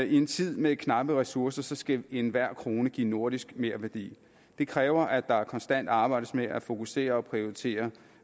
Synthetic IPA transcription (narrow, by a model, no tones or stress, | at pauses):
ie̝nt͡sʰið̞̰ˠmekʰnɑ̈b̥əʁɛsuɐsɐsɒ̽sɡ̥æe̝nʋæɐ̰kʰʁo̝ːnəɡ̥ḭːno̝ɐ̰ɾ̥isɡ̥me̝ɐ̰ʋæɐd̥ḭː | d̥e̝kʰʁɛːʊɐʔæd̥ɑ̈kʰɒ̽nsd̥æn̰d̥ɑ̈ːb̥ɑ̈ɪ̰d̥əsmeʔæfo̝kʰuse̝̰ːɐɒ̽pʰʁio̝it͡sʰe̝̰ːɐ